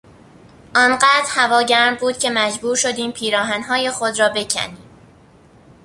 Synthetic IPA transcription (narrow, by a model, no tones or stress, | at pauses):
ʔɒːnɢæːd̪̥ɾhævɒːɟæɾmbuːd̪̥̚cʲʰe̞mæd͡ʒbuːɾʃo̞d̪iːmpʰiːɾɒːɦænɦɒːje̞xod̪rɒːbe̞cʰæ̰niːm